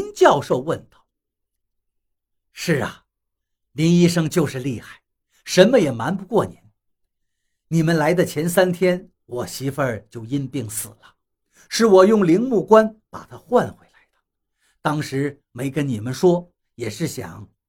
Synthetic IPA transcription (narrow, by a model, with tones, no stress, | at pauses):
nt͡ɕjɑ˥˧ʊʂo˥˧ʊwə˥˧nt̪ɑ˥˩ʊ | ʂɻ̩˥˩ɐ̰˩ | li˧˥ni˥ʂɤ˥ŋt͡ɕjo˥˧ʊʂɻ̩˥˧li˥˧xa˥˩ɪ | ʂə˧˥nmə˧jɛ˨˩ma˧˥npu˧˥kwɔ˥˩ni˧˥n | ni˨˩mə˧nla˧˥ɪd̪ə˧t͡ɕʰjɛ˧˥nsa˥nt̪ʰjɛ˥n | wɔ˨˩ɕi˧˥fə˞˥˧t͡ɕjo˥˩ʊi˥npi˥˩ŋsɹ̩˨˩lə˦ | ʂɻ̩˥˩wɔ˨˩jʊ˥˩ŋli˧˥ŋmu˥˩kwa˥npa̰˨˩t̪ʰa˥xwa˥˧nxwe˧˥ɪla˧˥ɪd̪ə̥ | t̪ɑ˥ŋʂɻ̩˧˥ | me˧˥ɪkə˥nni˨˩mə˦nʂwɔ˥ | jɛ˨˩ʂɻ̩˥˩ɕjɑ̰˨˩˦ŋ